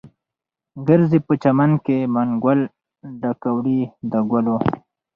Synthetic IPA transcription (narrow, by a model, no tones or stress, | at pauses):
ɡəɾzipət͡ʃamankemaŋɡwal | ɖakawɽid̪əɡwalo